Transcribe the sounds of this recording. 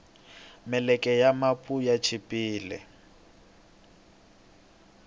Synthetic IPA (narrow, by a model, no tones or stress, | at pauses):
mɛlɛkʼɛjamapʼujat͡ʃʰipʼiːlɛ̰